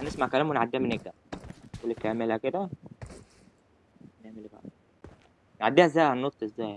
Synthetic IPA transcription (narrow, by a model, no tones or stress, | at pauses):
nesmaʕkælæmwenʕad̪ːiːæmeneɡ̚d̪æ | klːekːæmelæked̪æ | neʕmelbæ̰ʔæ | nʕad̪ːiːhæzːæːjhænːot̪ˤːezːæːj